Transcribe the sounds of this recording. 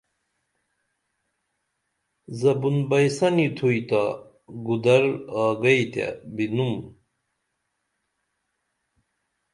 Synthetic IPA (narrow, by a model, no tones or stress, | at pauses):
zɐbunbɐjsɐnit̪ʰuit̪a | ɡud̪ɐɾaːɡɐit̪a̰binum